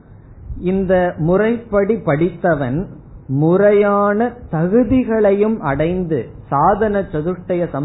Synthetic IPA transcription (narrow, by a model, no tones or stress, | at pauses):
ɪnd̪ɐmʊrɐɪpːɐɽipːɐɽɪt̪ːɐʋɐn | mʊrɐjaːnɐt̪ɐɣɯðɪɣɐɭɐjɯmʔɐɽɐɪnd̪ɯ | saːðɐnɐt͡ʃːɔðɯʈːɐjɐsɐm